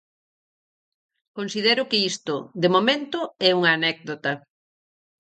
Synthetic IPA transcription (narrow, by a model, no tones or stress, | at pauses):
konsið̞ɛɾʊkɪist̪ʊd̪emomẽnt̪ʊɛuŋaːnɛk̚ðd̪ot̪ɐ